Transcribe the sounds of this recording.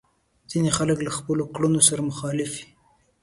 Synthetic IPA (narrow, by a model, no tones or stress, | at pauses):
z̥inexaləklaxpəlokɽunosaɾamʊxɑlɪfi̥